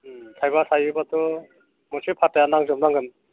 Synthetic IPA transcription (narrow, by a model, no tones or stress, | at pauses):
tʰajbasʰajɯbat̪ʰɔ | mɔsipʰatajanaŋzɔmnaŋɡɯn